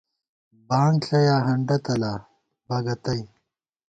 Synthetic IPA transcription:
baːŋɬɐjaːɦɐɳɖɐt̪ɐlaː | bɐɡɐt̪ɐj

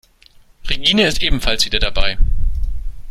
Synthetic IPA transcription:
ʁeɡiːnəɪstʔeːbm̩falsv̥iːdɐdabaɪ

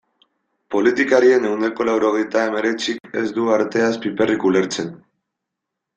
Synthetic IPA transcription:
po̞lit̪ikaɾie̞ne̞wnd̪e̞ko̞lawɾo̞ɣ̞e̞jt̪ae̞me̞ɾe̞t͡sike̞zd̪uaɾt̪e̞aspipe̞rikule̞ɾt͡se̞n

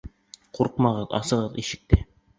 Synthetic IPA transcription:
quɾqmɑʁɤðɑ̰sɤ̆ʁɤðiʃɘ̆k̚t̪ɘ

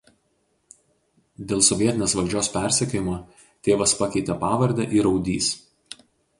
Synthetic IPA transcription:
d̪ʲeːlˠsɔʋʲiɛt̪ʲɪnʲeːsʋɐlʲd͡ʒʲoːspʲæˑɾʲsʲɛkʲoːjɪmoː | t̪ʲeːʋɐspɐkʲɛɪt̪ʲɛpɑːʋɐɾʲd̪ʲɛʔiɾɒʊd̪ʲiːs

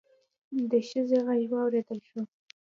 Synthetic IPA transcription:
d̪əʃəzeɣajwɑwɾed̪əlʃo

